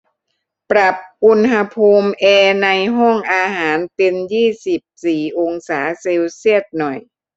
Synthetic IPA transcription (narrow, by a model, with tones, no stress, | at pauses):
pɾa˨˩p̚ʔu˧nɦa˧pʰuː˧mʔeː˧na˧jɦɔ˥˩ŋʔaː˧ɦaː˩˦nt̪i˧njiː˥˩si˨˩p̚siː˨˩ʔo˧ŋsaː˩˦se˧wsi˥˩ət̪̚nɔ˨˩j